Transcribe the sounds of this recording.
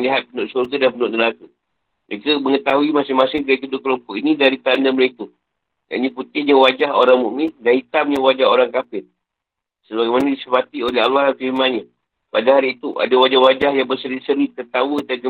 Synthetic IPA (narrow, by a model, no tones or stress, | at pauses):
liɦat̪̚pənʊʔsurɡadanpənʊʔdəlak̪ə | məɾekəməŋət̪aɦuimasɪhmasɪŋkak̪udukəlumpɔʔinĩdaɾit̪andəməɾeku | ja̰ʔɲĩput̪ɪhɲəwad͡ʒahoɾaŋmuʔmidanhit̪amɲəwad͡ʒaɦoɾaŋkafɪn | səbaɡajmanadisəpat̪ioleɦalwahdanfimãɲa | padaɦaɾiːt̪uʔa̰dawad͡ʒahwad͡ʒahjaŋbərsəɾisəɾit̪ət̪awədaɡə